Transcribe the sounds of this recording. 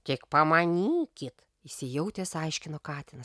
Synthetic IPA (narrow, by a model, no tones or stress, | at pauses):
t̪ʲɪkpɐmɐnʲiːkʲɪt̪ | ɪsʲɪjɛʊt̪ʲeːsɐɪʃʲkʲɪnoːkɑːt̪ʲɪnɐs